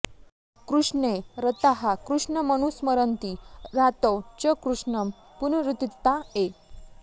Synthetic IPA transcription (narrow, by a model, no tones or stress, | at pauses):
kɾuʂɳeɾət̪aɦakɾuʂɳəməñusməɾənt̪iɾat̪əwt͡ɕəkɾuʂɳəm | punɾut̪it̪ːae